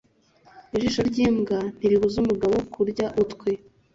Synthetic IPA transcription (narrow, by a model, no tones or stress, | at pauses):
iʒiʃoɾɟiːmɡan̥iɾiβuzumuɡaβokʰuɾɟaʔutkʷwe